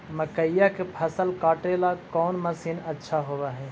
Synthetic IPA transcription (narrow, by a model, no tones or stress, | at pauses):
məkəjakepʰɐsəlkaːʈelakɔːnmɐsiːnɐtːʃʰaɦoʋaɦɛː